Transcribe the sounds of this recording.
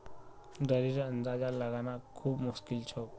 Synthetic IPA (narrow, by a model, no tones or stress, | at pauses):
d̪əɾiɾənd̪ad͡zalaɡanakʰuːbmuskilt͡ɕʰɔ